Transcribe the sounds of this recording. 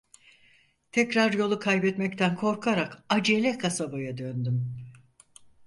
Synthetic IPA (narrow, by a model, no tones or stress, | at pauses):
t̪ʰɛcɾaɾjo̞lˠukʰajbɛt̪mɛct̪ʰænkʰo̞ɾkʰaɾakad͡ʒelʲɛkʰasabajad̪ønd̪ym